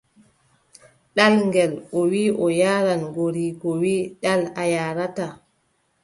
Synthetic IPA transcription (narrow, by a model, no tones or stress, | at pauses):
ɗalŋɡɛlʔɔwiʔɔjaːɾanɡoɾiːɡɔwiːɗalajaːɾata